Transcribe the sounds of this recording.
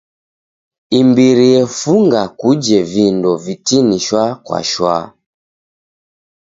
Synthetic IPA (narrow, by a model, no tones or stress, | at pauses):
imbiɾiɛfuŋɡakud͡ʒɛvindɔvitiniʃwakwa̰ʃwa̰